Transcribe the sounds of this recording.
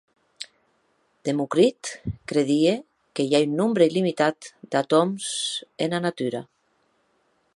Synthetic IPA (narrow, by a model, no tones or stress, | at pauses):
d̪̥emukɾit̪kɾeðie | kejaynːumbɾeilimit̪at̪d̪at̪omsenanat̪yɾa̰